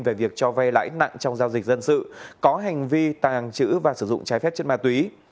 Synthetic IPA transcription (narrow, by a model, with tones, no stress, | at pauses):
nve˨˩vi˨˩ək̚t͡ɕɔ˧va˧jla̰ː˧˥jna̰˧˨ŋt͡ɕɔ˧wŋ͡mzaː˧wzï˨˩k̟̚zə˧nsɨ̰˧˨kɔ˨˦ɦa˨˩jŋ̟vi˧t̪aː˨˩˨ŋt͡ɕɨ̰˧˥vaː˨˩sɨ˧˩zʊ̰˧˨ŋ͡mt͡ɕaː˨˦jfɛ˦˥p̚t͡ɕe˦˥nmaː˧˩t̪wi˨˦